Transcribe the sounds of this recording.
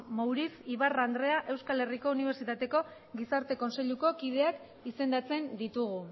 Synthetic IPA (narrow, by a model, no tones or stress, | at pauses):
mowɾisiβarand̪ɾe̞aʔe̞wskale̞riko̞uniβ̞e̞ɾsit̪at̪e̞ko̞ | ɡisaɾt̪e̞ko̞nse̞ʎuko̞kið̞e̞ak | ise̞nd̪at͡se̞nd̪it̪uɣu